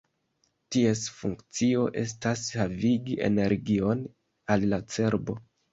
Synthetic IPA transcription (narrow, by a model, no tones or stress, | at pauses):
tie̞sfuŋkt͡sio̞ʔe̞̰s̬tashaviɡiʔe̞̰neɾɡio̞n | alːat͡se̞ɾbo̞